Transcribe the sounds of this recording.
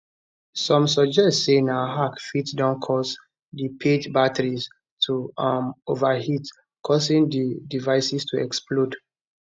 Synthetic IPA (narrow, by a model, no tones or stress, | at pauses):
sɔ̃msɔd͡ʒɛssenaɦakfitdãnkʰɔs | dipʰed͡ʒbatʰəɹis | tʰuamovaɦit | kʰɔsĩŋdidivaɪsistʰuɛ̰ksplod